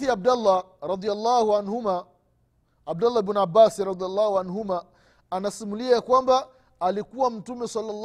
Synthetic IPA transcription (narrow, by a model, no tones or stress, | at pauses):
iab̚dalːaɾɑd̪ialˤːahuanhumaː | b̚dalːabunabasiɾɑd̪ialːahuanɦumaː | nasimuliakwambaː | likuwam̩tumɛsalːalː